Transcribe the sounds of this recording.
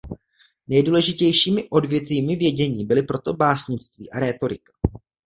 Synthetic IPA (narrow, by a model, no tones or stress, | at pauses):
nɛjduːlɛʒɪcɛjʃiːmɪʔo̞dvjɛt̪viːmɪvjɛɟɛɲiːbɪlɪpɾo̞t̪o̞baːsɲɪt͡st̪vḭːʔaɾɛːt̪o̞ɾɪkḁ